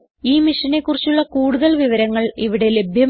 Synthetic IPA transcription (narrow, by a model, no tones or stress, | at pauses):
iːmiʂɐne̞kːurit͡ɕːuɭːɐkuːɽuðɐlʋiʋɐɾɐŋːɐɭiʋiɽe̞le̞bʱjɐm